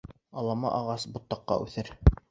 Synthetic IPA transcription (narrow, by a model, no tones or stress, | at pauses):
ɑlˠɑmɑ̰ʔɑʁɑsbut̪ːɑqːɑ̰ʔʉθɘɾ